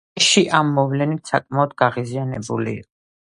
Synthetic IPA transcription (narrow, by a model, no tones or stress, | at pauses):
ʃiʔamːɔvlɛnit̪ʰsakʼmaɔd̪ɡaʁizianɛbṵlḭːqʼɔ